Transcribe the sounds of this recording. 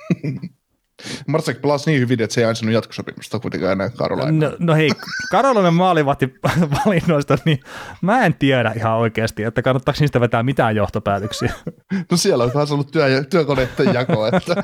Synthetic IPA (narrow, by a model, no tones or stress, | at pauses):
mɑrt̪sɑkplɑsniːhyʋinet̪seiɑˑinsɑnujɑt̪ko̥sopimust̪ɑkuit̪ḛŋkɑ̰ːenæːkkɑ̰ro̰lɑ̰inonoheikɑrolɑnemmɑːliʋɑht̪iʋɑlinːoist̪ɑnimæːent̪ieɾæihɑoikeːst̪iet̪ːækɑnːɑt̪ːɑksniːst̪æʋet̪æːmit̪æːjjoht̪opæːt̪øksiænosieloŋt̪ɑːˑnsolːutt̪yæɑt̪yækonet̪ːejɑkoet̪ːæ